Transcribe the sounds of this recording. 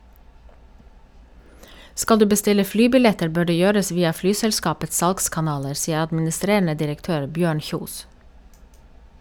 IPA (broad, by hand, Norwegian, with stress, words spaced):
ˈskɑl ˈdʉː bəˈstɪlə ˈflyːbɪˌlɛtəɾ ˈbøː ˈɖeː ˈjøːɾəs ˈʋiːɑ ˈflyːsɛlˌskɑːpət ˈsɑlɡskɑˌnɑːləɾ ˈsiːə ɑdmɪnɪˈstɾeːɳə dɪɾəkˈtøːɾ ˈbjøːɳ ˈçuːs